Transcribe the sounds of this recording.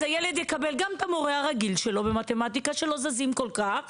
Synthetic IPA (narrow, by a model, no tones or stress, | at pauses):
ajeled̪jekabelɡamt̪amoʁeaʁaɡilʃelo̞bemat̪emat̪ikaʃelo̞zazimkolkaχ